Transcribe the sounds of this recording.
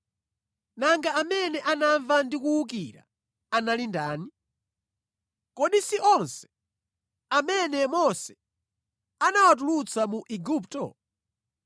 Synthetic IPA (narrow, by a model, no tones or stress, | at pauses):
naŋɡaːmɛnɛʔanaɱvandikuuk̬iɾa̰ | analindaːni | kɔɗisiɔnsɛ̥ | amɛnɛmɔsɛ̥ | anawat̬ulut͡sʰamuʔɛɡuptɔ̰